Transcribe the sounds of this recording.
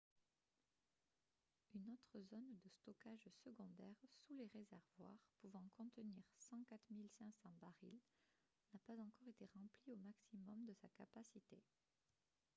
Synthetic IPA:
ynot̪χəzɔnd̪əst̪ɔkaʒsəɡɔ̃d̪ɛʁsuleʁezɛʁvwa̰ʁpuvɑ̃kɔ̃t̪əniʁsɑ̃kat̪χmilsɛ̃sɑ̃baʁḭl | napazɑ̃kɔʁet̪eʁɑ̃pliomaksimɔmd̪əsakapasit̪e

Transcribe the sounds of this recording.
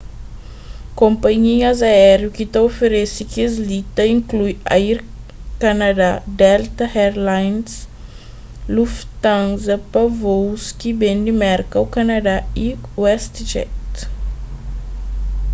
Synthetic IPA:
kõmpɐɲiɐzaɛɾjukit̪ɐofeɾesikezlit̪ɐĩŋklujaiɾ | kɐnad̪ad̪ɛlt̪ɐhɛɾlajns | luft̪ãnzɐpɐvowskibẽnd̪imɛɾkɐwkɐnɐd̪aiwɛst̪t͡ʃɛ̰t̪

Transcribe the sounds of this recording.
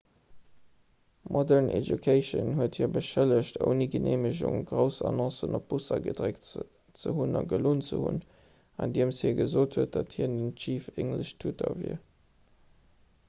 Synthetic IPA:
mʔɔdɛnʔḛdjukʰeɪʃə̰nhuəthiːɐbəʃæləɕto̰ʊniɡənʔeːməʑʊ̰ŋɡʁəʊsɑnɔ̃sənop̚b̥usɐɡədʁek | t͡səɦunɑɡəloːnt͡sə̰hṵn | ɑndiːəmshiːəɐɡəzoːtʰhuət̚d̥ɑthiːndənt͡ʃiːfeɪntləɕtʰutʰɐvḭɐ

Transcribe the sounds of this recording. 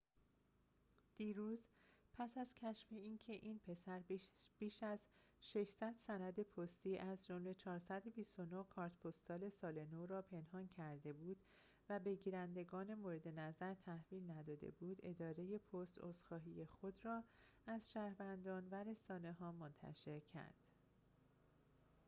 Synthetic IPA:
d̪̥iːɾuːzpʰæsæz̥cʰæʃfeiːncʰe̞ʔiːnpʰe̞sæɾb̥iːʃæzʃe̞ʃsæd̪̥sænæd̪e̞pʰost̪iːʔæzd͡ʒo̞mle̞t͡ʃʰɒːɾsæd̪bist̪o̞nokʰɒːɾt̪pʰost̪sɒːle̞sɒːle̞noɾɒːpʰe̞nhɒːncʰæɾd̪e̞buːd̪̥ | væbe̞ɟiːɾænd̪e̞ɡɒːne̞moɾed̪e̞næzæɾt̪ʰæhviːlnæd̪ɒːd̪ḛbuːd̪e̞d̪ɒːɾe̞je̞pʰost̪o̰st̪xɒːɦiːje̞xo̞d̪rɒːæzʃæːɾvænd̪ɒːnvæɾe̞sɒːne̞ɦɒːmont̪ʰæ̰ʃeɾcʰæ̰ɾd̪̥

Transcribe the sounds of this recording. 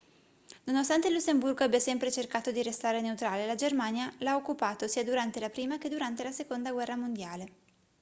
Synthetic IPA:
nonost̪ant̪elːusːemburɡoabːjasɛmpɾet͡ʃerkaːt̪od̪iɾest̪aːɾeneut̪ɾaːlelad͡ʒermanjalaokːupaːt̪osiːad̪uɾant̪elapɾiːmak̟ed̪uɾant̪elasekond̪aɡwɛrːamond̪jaːle

